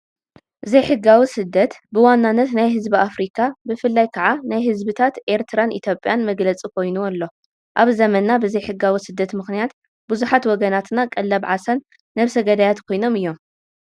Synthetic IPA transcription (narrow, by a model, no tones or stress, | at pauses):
ʔɨzɐjħɨɡːawisɨd̪ːɐt̪bɨwanːanːɐt̪najɦɨzbiafɾikʰabɨfɨlːajkʰɐʕanajɦɨzbɨt̪ʰat̪ʔe̞ɾt̪ʰɨɾanʔḭt̪ʰjo̞pʼjanmɐɡlɐt͡sʼikʰo̞jnuɐlːo̞ | ʔaβzɐmɐnːabɨzɐjħɨɡawisɨd̪ːɐt̪mɨxnijat̪ | bɨzuħat̪wɔɡɐnat̪nakʼɐlːɐβʕasanː | ɐβsɐɡɐd̪ajat̪kʰo̞jno̞mɨjːo̞m